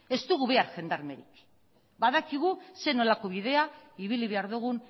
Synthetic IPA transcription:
e̞st̪uɣuβe̞aɾxe̞nd̪aɾme̞ɾik | baðakiɣ̞use̞no̞lako̞β̞iðe̞aiβ̞iliβe̞aɾðuɣ̞un

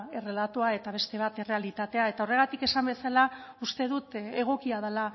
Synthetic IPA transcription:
e̞re̞lat̪oae̞t̪aβ̞e̞st̪e̞β̞at̪ere̞alit̪at̪e̞ae̞t̪ao̞re̞ɣat̪ike̞sambe̞salaust̪e̞ðut̪e̞ɣ̞o̞kiað̞ela

